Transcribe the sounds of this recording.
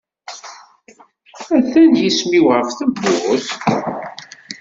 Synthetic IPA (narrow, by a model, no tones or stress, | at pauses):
æθænjismiwʁəfθəbːʊʁʊs